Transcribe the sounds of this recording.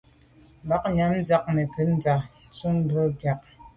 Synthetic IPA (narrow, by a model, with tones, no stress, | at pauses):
ba˨˦k̚ɲa˨˦m˦d͡za˦k̚nɛ˨kə˦n̩˦d͡za˨˦t͡su˦ŋ˦bə˦ɡja˨k̚